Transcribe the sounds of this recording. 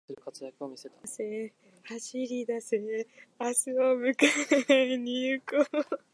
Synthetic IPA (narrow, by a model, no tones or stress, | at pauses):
sɨɾɯ̟kʰat͡sɨjakɯ̟omʲise̞t̪ḁse | haɕiɾʲid̪aseasɨomɯ̟kaeɲiɯko